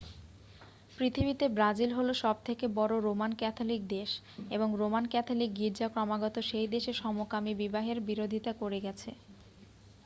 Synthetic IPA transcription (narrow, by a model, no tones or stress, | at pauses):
pɾit̪ʰibit̪ebɾad͡ʑilɦoloʃɔb̚t̪ʰekebɔɾoɾomankɛt̪ʰolik̚d̪eʃ | eboŋɾomankɛt̪ʰolik̚ɡiɾd͡ʑakɾɔmaɡɔt̪oʃejd̪eʃeʃɔmokamibibaɦeɾbiɾod̪ʱit̪akoɾeɡɛt͡ɕʰe